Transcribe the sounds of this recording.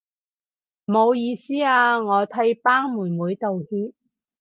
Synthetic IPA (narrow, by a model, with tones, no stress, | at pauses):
mo˨˧wjiː˨˧siː˥aː˧ŋɔː˨˧t̪ʰɐ˧˥jpaː˥ŋmuː˨˩nmuː˨˧˥jt̪o˨whiː˥t̚